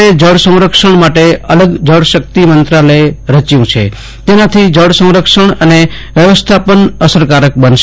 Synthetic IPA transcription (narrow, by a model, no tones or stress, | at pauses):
ed͡ʒəɽsə̃w̃ɾəkʃəɳmaʈeələɡd͡ʒəɽʃək̚t̪imənt̪ɾaləjɾət͡ʃjũt͡ʃʰḛ | t̪enat̪ʰid͡ʒəɽsə̃w̃ɾəkʃəɳəne | ʋjəʋəst̪ʰapənəsəɾkaɾək̚bənʃ